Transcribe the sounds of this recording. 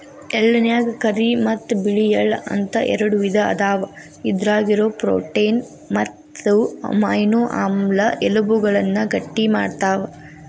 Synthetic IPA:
elːɐnjaːɡkɐɾimɐt̪ːbiɭijɐlɐ̰nt̪ɐʔɛ̰ɾɐɽuʋid̪ʱɐ̰ːd̪aːʋɐ | id̪ɾaːɡiɾoːpɾo̰ːʈejn | mɐt̪ːumɐ̰jnoːʔa̰ːmlɐʔelubuɡɐɭɐnːɐɡɐʈːima̰ːɖt̪aːʋɐ

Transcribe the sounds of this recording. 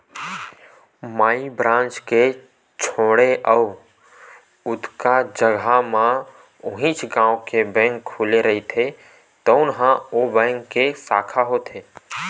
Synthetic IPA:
maːibɾãːnt͡ʃke | t͡ʃʰoːɽeʔəː | ʊd̪ʱkad͡ʒəɡʱamã | ʊɦĩːt͡ʃɡãːw̃kebɛ̃ːŋkʰːʊleɾəɦit̪ʰe | t̪əʊnɦãoːbɛ̃ːŋkːesaːkʰaɦot̪ʰeː

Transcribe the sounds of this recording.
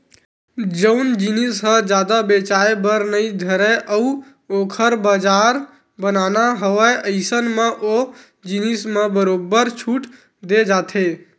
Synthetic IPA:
d͡ʒəʊnd͡ʒinisɦə̃d͡ʒjaːd̪abet͡ʃaːebəɾnəid̪ʱəɾeʔəu | oːkʰəɾbaːd͡ʒaːɾ | bənaːnaɦəʋaeʔəɪsənmãʔo | d͡ʒinismãbəɾoːbəɾt͡ʃʰuːʈ | d̪ed͡ʒaːt̪ʰe

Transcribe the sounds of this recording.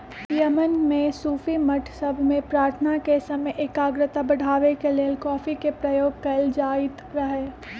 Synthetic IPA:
jəmənmẽsuːfimɐʈʰsɐbʱmẽpɾaːɾt̪ʰənakesɐməjʔekaːɡɾət̪abɐɽʱaːʋekeleːlkɔːfikepɾɐjoːɡ̚kɐld͡ʒaːɪt̪ɾɐɦeː

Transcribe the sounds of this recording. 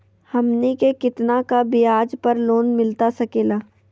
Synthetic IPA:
hɐmnikekɪt̪nakabɪjaːd͡ʒpɐɾloːnmɪlt̪asɐkeːlaː

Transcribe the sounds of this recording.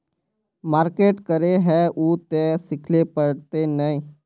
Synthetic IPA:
maːɾkeːʈkəɾeɦɛʔuːt̪esɪkʰlepəɽt̪enəĩː

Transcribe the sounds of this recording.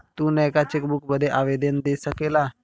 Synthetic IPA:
t̪uːnəjkat͡ɕekbukbəd̪ʱeʔaʋed̪ənd̪esəkela

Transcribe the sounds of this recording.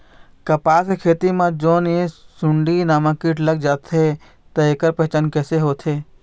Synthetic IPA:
kɐpaːsekʰeːt̪imãd͡ʒoːnesʊ̃ɳɖinaːmakiʈləɡ̚d͡ʒaːt̪ʰe | t̪ɐeːkəɾpəɦt͡ʃənkɛːseɦoːt̪ʰeː

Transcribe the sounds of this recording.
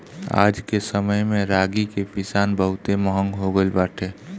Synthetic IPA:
a̰ːd͡ʒkesəməjmẽɾaːɡikepɪsaːnbəɦʊt̪eməɦə̃ŋɡɦoɡəlbaːʈʰeː

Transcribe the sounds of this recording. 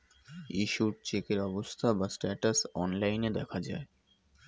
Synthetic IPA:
iʃuɾt͡ɕekeɾɔbost̪ʰabasʈɛʈasɔnlajned̪ɛkʰad͡ʑae

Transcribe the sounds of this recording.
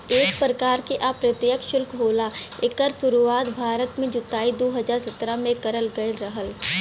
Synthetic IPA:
eːk̚pɾəkaːɾkeʔapɾət̪jəkʃʊlkɦoːlaekəɾsʊɾuaːt̪bʱaːɾət̪mẽd͡ʒʊt̪aːid̪oːɦɐd͡ʒaːɾsət̪ɾamẽkɐɾəlɡɐelɾəɦəl

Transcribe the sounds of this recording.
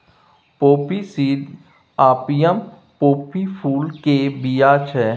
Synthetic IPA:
poːpisiːd̪ | aːpijəm | poːpipʰuːlkeːbijaːt͡ʃʰɛː

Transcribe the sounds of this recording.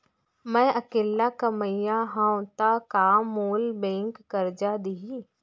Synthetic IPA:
mɛ̃ːʔəkeːlːakəməjaɦãʊ̃t̪akamuːlbẽːŋkɡəɾd͡ʒad̪iɦi

